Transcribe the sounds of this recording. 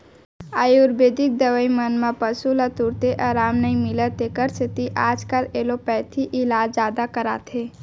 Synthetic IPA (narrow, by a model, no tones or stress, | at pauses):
aːjuɾbeːd̪ik̚d̪əʋəimənmãpəsulət̪uɾt̪eʔaɾaːmnəĩmɪlət̪ekəɾsit̪iʔaːd͡ʒkaleːlopɛːt̪ʰiʔɪlaːd͡ʒzaːd̪akəɾa̰ːt̪ʰe